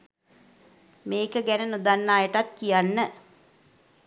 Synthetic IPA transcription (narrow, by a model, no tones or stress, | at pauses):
meːkəɡænənud̪anːaːjəʈat̪̚kijanːə